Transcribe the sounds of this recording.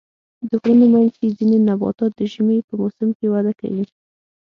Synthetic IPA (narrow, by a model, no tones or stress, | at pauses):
d̪əɣɾunemajnzezinenabɑ̰t̪ɑt̪̚d̪əʒimepəmosɪmkewad̪aka̰wi